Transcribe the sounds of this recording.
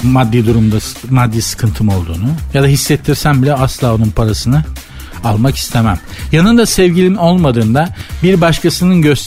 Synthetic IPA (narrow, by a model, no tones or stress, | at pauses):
mad̪ːiːd̪uɾumd̪amad̪ːiːsɯ̥kʰɯnt̪ʰɯmo̞lˠd̪ṵːnujad̪aɦisːɛt̪ʰːiɾsænbilʲɛaslˠaːo̞nunpʰaɾasɯnɯ | alˠmaki̥st̪ʰe̞mæm | janɯnd̪asɛvɟilʲio̞lˠmad̪ɯːnd̪abiɾbaʃkʰasɯnɯnɟø̞st̪ʰ